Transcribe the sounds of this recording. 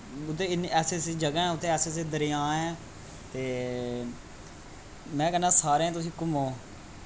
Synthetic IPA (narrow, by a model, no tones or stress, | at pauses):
ʊt̪ːeːɪnɛːseːseːd͡ʒəɡãɛ̃ːʊt̪ʰːeːɛːseːs̬ed̪əɾɪjãːɛ̃ː | t̪eː | mɛ̃ːkəɾnãːsaːɾẽːt̪̬ʊs̬ĩːkʊmoː